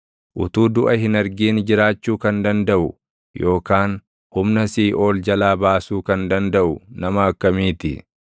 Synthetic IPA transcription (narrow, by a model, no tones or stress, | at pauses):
ʔʊt̪uːd̪ʊʔɐhɪnɐɾɡiːnd͡ʒɪɾaːt͡ʃːuːkɐnd̪ɐnd̪ɐʔʊ | jo̞ːkaːn | hʊmnɐsiːʔo̞ːld͡ʒɐlaːbaːsuːkɐnd̪ɐnd̪ɐʔʊnɐmɐːkːɐmiːt̪ɪ̰